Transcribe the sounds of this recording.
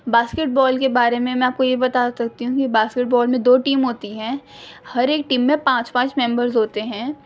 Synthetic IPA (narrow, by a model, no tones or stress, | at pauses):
baːskeʈ̚bɔːlkebaːɾemẽmɛ̃aːp̚kojebɐt̪asɐk̚t̪iɦũkibaːskeʈ̚bɔːlmẽd̪oːʈiːmɦoːt̪iɦɛ̃ːhɐɾeːk̚ʈiːmːẽpãːt͡ʃpãːt͡ʃmɛ̃mbəɾzɦoːt̪eɦɛ̃ː